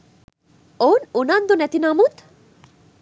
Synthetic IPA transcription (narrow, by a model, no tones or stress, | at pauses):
ownunand̪onɛt̪inamut̪